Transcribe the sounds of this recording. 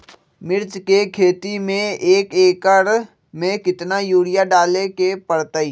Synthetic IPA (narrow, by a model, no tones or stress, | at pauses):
mɪɾt͡ʃkekʰeːt̪imẽeːkeːkəɽ | mẽkɪt̪najuːɽɪjaɖaːlekepəɽt̪əiː